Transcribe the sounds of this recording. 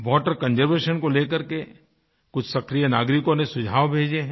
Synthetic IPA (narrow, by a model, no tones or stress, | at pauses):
ʋɔːʈəɾkɐ̃nd͡ʒəɾʋeːʃənkoleːkɐɾke | kʊt͡ʃʰsɐkɾijənaːɡɾɪkõnẽsʊd͡ʒʱaːʋbʱeːd͡ʒeɦɛ̃